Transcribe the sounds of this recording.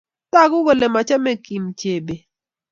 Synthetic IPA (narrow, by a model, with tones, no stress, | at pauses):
ta˦˨ɡʊ˦wo˨le˨ma˨t͡ʃɛ˦mɛ˦ki˨mt͡ʃe˨be˨